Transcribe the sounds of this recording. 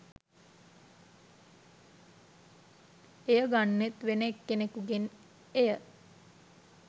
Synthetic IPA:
ejəɡanːet̪ʋenekːenekuɡen | ejə

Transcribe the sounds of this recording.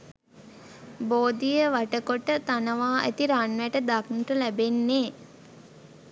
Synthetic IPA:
boːd̪ijəʋaʈəkoʈət̪anəʋaːʔæ̰t̪iɾanʋæʈəd̪aknuʈəlæbenːeː

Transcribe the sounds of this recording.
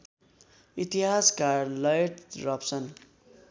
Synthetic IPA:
it̪iɦaskarlʌjʈrʌpsʌn

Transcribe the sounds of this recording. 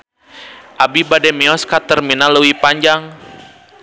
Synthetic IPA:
ʔabibadɛmɛɔskat̪ərminaləwipaɲd͡ʒaŋ

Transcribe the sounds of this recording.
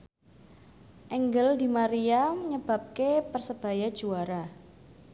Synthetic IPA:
ʔɛŋɡəld̪imaɾijamɲəb̥a̤p̚kepərsəb̥a̤jad̥ʒ̥uaɾa

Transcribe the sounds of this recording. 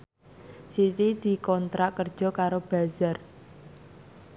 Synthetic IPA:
sit̪id̪̥i̤kɔnt̪ɾaʔkərd̥ʒ̥ɔ̤kaɾob̥a̤zar

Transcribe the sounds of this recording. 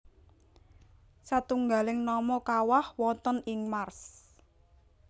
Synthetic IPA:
sat̪uŋɡa̤lɪŋnɔmɔkawahwɔnt̪ɔnɪŋmars

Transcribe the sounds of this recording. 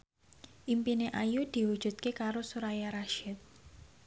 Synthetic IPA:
ʔimpineʔajud̪̥i̤wud̥ʒ̥ṳt̪̚kekaɾosuɾajaɾaʃɪt̪̚

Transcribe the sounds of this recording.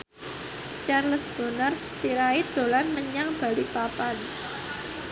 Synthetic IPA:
t͡ʃarləsb̥o̤nar | siɾaid̪̥o̤lanməɲaŋb̥a̤lipapan

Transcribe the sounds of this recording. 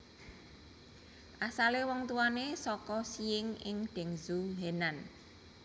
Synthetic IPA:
ʔasalewɔŋt̪uwanesɔkɔsiɪŋɪŋɖ̪̥ɛ̤ŋzumenan

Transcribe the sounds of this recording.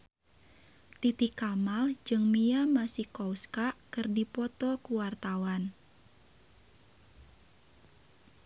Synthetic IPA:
t̪it̪ikamald͡ʒɨŋmiamasihkɔwskaʔkɨrdipɔt̪ɔkuwart̪awan

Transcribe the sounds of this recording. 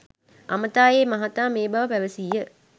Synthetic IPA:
a̰mət̪aːjeːmaɦat̪aːmeːbɐʋəpæʋəsiːjə

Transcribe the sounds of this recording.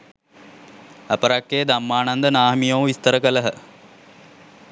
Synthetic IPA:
ɐpəɾakːeːd̪amːaːnand̪ənaːɦmijoʋʋist̪əɾəkələɦə

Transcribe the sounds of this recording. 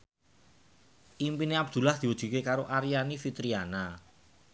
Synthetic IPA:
ʔimpineab̚d̪̥ṳlahd̪̥i̤wəd̥ʒ̥i̤kekaɾoʔaɾijanifit̪ɾiana

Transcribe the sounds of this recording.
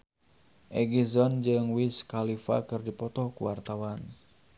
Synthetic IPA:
ʔɛɡizɔnd͡ʒɨŋwiskalifa̰kɨrdipɔt̪ɔhkuwart̪awan

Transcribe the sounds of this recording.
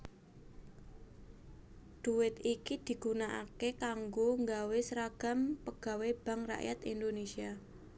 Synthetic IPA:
d̪̥uwɪt̪ikid̪̥i̤ɡ̥unaʔa̰kekaŋɡoŋɡawɪsɾaɡ̥a̤mpəɡ̥a̤web̥a̤ŋra̰ʔja̰t̪ḭnd̪onesia

